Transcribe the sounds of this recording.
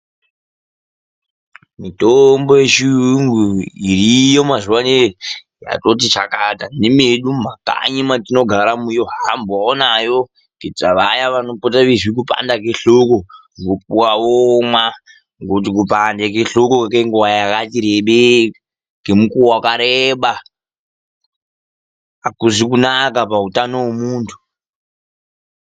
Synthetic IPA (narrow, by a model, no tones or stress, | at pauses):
mitombojeʃiŋɡuirijomazuwane | ja̰totit͡ʃakatanemeɗumaka̰ɲimatino̞ɡʱaɾamujoɦamboaonajo | ketaʋajaʋano̞potaʋizwik̬upa̰ndakeɬoko | ŋɡop̚uwawomwa | ŋɡot̬ik̬upandek̬eɬokokekeŋɡuwajakatiɾeɓe | ŋɡemukuwakaɾeɓa | kuzik̬unakapautanowemuːntʰu̥